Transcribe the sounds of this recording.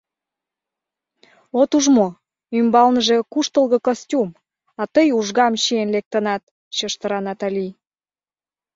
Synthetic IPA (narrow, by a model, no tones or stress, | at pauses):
ot̪uʒmo | ymbɑlnəʒe̽kuʃt̪əlɣə̆kosʲtʲum | ɑt̪əjuʒɣɑmɕienlek̚t̪ənɑt̪̚ | t͡ɕəʃt̪əɾɑnɑt̪ɑli